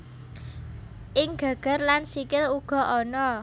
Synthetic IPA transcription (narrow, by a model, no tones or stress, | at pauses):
ʔɪŋɡ̥a̤ɡ̥a̤rlansikɪluɡ̥ɔ̤ʔɔnɔ